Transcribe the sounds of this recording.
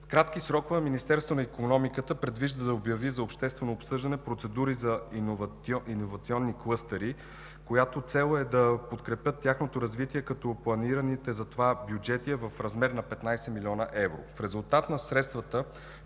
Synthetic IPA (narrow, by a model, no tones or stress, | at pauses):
fkɾat̪kisɾɔkovəminist̪ɛɾst̪vonɐikonɔmikət̪əpɾɛd̪viʒd̪əd̪ɐobjɐvizɐopʃt̪ɛst̪vɛnoːpsɤʒd̪ɐnɛpɾot̪sɛd̪uɾizɐv | ʔinovɐt̪siɔnːiklˠɤst̪əɾi | kojat̪ot̪sɛlˠɛd̪ɐpot̪kɾɛpʲjɤt̪ːjaxnot̪oɾɐzvit̪iɛkɐt̪ɔplˠɐniɾənit̪ɛzɐt̪ovabjud͡ʒɛt̪iɛvɐfɾɐzmɛɾnɐpɛt̪najsɛmilʲiɔnəʔɛvɾo̰fɾɛzulˠt̪at̪nɐsɾɛt̪st̪vət̪ə